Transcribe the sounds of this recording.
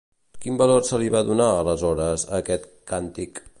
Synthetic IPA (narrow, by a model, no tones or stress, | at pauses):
kimbəlorsəliβaðunaələzɔɾəzə̰kɛt̪kant̪ik